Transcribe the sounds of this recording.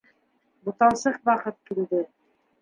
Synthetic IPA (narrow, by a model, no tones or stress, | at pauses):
but̪ɑwsɤqwɑqɤt̪̚kild̪ɘ